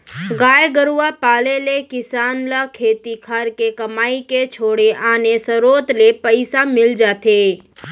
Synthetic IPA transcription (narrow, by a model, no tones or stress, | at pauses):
ɡaːjɡəɾuʋapaːlelekɪsaːnlakʰeːt̪ikʰaːɾkekəmaːiket͡ʃʰoːɽeʔaːnesəɾoːt̪lepəɪsamɪld͡ʒaːt̪ʰe